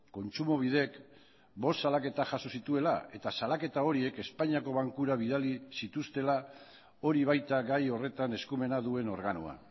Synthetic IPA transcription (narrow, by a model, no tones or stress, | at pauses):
ko̞nt͡ʃumo̞βiðe̞k | bo̞st̪salake̞t̪aʝaso̞sit̪ue̞lae̞t̪asalake̞t̪ao̞ɾie̞ke̞spaɲiako̞β̞aŋkuɾaβ̞ið̞alisit̪ust̪e̞la | o̞ɾiβajt̪aɣajo̞re̞t̪ane̞skume̞naðue̞no̞ɾɣano̰a̰